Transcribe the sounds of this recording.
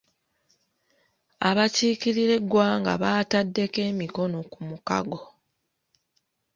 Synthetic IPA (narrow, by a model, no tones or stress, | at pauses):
aβaciːkiɾiɾe̞ɡːwaːŋɡa̰βaːtadːe̞ke̞ːmiko̞no̞kumuka̰ɡo̞